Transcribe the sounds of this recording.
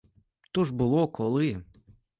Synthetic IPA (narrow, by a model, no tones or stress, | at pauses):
t̪uʐbʊlˠɔkʰɔlˠɪ